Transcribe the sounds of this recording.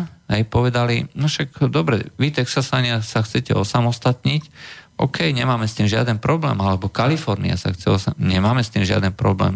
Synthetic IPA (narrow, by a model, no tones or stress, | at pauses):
ɦɛjpɔʋɛd̪alinɔʃakd̪ɔbɾɛ̰ʋit̪ɛksasaɲɪasaxt͡sɛcɛɔsamɔst̪at̪ɲicʔɔkɛjɲɛmaːmɛst̪iːmʒɪa̰d̪ɛnpɾɔblɛ̰ːmalɛbɔkalifɔɾnḭa̰sa̰xt͡sɛɔsaɲɛmaːmɛst̪iːmʒɪa̰d̪ɛnpɾɔblɛ̰ːm